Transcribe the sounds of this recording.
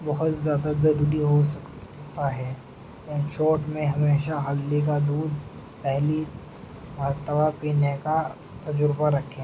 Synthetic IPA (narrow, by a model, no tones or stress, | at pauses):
bɐɦʊt̪zjaːd̪azɐɾuːɾiɦo | t̪aɦɛ̃ː | ʃoːʈmẽɦɐmeːʃaɦɐlːek̬ad̪uːd̪̚ | pɛɦli | ʋɐɾt̪əbapiːneka | t̪ɐd͡ʒʊɾbaɾɐkʰẽː